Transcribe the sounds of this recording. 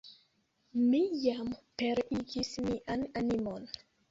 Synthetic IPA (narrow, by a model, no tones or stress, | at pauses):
mijampeɾiɡismiʔananimon